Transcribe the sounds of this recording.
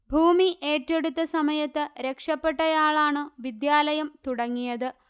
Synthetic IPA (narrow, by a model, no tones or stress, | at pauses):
bʱuːmiʔe̞ːtːe̞ɽut̪ːɐsɐmɐjɐt̪ːɨɾe̞kʂɐpːe̞ʈːɐjaːɭaːɳɨʋid̪jaːlɐjɐmt̪uɽɐŋːijɐðɨ